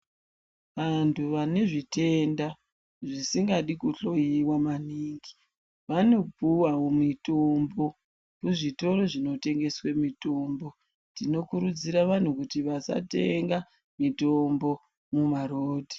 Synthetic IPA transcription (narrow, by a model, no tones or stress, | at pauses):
ʋantʰuʋane̞ʐite̞nda | ʐisiŋɡaɗikuɬo̞jiwamaniːŋɡi̥ | ʋano̞puwaomitombo̞ | kuʐito̞ɾoʐinote̞ŋɡe̞swemito̞mbo̞ | tino̞kuɾud͡ziɾaʋan̤ukutiʋasa̰te̞ŋɡa | mito̞mbo̞ | mumaɾoːdʱi̥